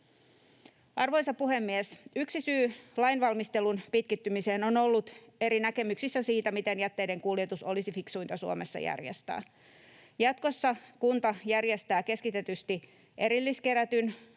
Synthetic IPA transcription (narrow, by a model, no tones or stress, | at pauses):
ʔɑrʋo̞nsɑppuɦe̞mːiesyksisyːlɑinʋɑlmist̪elunpit̪̚kit̪ːymiseːno̞no̞lːut̪e̞ɾinækemyksisːæsiːt̪æmit̪e̞njæt̪ːejde̞ŋkulje̞t̪uso̞̰lisifiksujnt̪ɑsuomesːɑ̰jæ̰rjḛst̪æ̰ː | jɑt̪ko̞sːɑkunt̪ɑjærje̞st̪æːke̞skit̪e̞t̪yst̪i | ʔe̞ɾilːiske̞ɾæt̪yn